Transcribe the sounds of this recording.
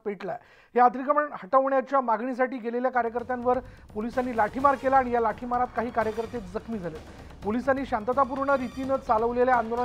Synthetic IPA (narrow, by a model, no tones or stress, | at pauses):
peʈla | ɦead̪ɾikəməɳhəʈəʋɳjat͡ɕjamaɡɳis̬aʈiːɡeleljakaɾjəkəɾt̪janʋəɾpolisanːiːlaʈʰimaɾkelaːɽ̃ijalaʈʰimaɾat̪kaɦiːkaɾjəkəɾt̪et̪d͡zəkʰmiːd͡zʱalel | polisanːiːɕant̪ət̪ap̬uɾɳəɾit̪iːnət͡st͡saləʋleljaand̪olə